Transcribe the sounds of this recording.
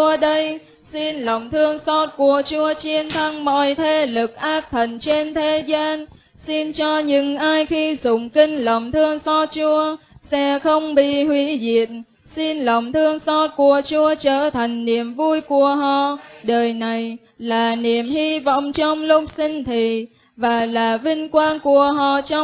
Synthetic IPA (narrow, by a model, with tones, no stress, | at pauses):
əɗə˧j | si˧nlə˨˩wŋ͡mt̪ʰɨ˧əŋsɔ˦˥t̚ku˧˩ət͡ɕu˧ət͡ɕi˧ənt̪ʰa˧ŋmɔ̰˧˨jt̪ʰe˧˩lɨ˨˩k̚ʔaː˦˥k̚t̪ʰə˨˩nt͡ɕe˧nt̪ʰe˨˦zaː˧n | si˧nt͡ɕɔ˧ɲɨ̰˧˥ŋʔaː˧jxi˧zʊ˨˩ŋ͡mki˧ŋ̟lə˨˩wŋ͡mt̪ʰɨ˧əŋsɔ˦˥t̚t͡ɕu˧ə | sɛ̰˧˥xə˧wŋ͡mɓḭ˧˨hwi˨˧˦zḭ˧˨ən | si˧nlə˨˩wŋ͡mt̪ʰɨ˧əŋsɔ˧˥t̚ku˨˩ət͡ɕu˧ət͡ɕəː˧˩t̪ʰa˨˩jŋ̟ni˨˩əmvu˧jku˧˩əɦɔ̰˧˨ɗəː˨˩jna˨˩j | laː˨˩ni˨˩əmhi˧vɔ̰˧˨wŋ͡mt͡ɕɔ˧wŋ͡mlʊ˧˥k͡p̚si˧ŋ̟t̪ʰi˨˩ | vaː˨˩laː˨˩vï˧ŋ̟kwaː˧nku˨˧˩əɦɔ̰˧˨t͡ɕɔ˧